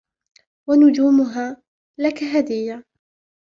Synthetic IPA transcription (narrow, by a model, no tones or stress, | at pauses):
wanʊd͡ʒuːmʊɦaː | lakaɦad̪ɪjːa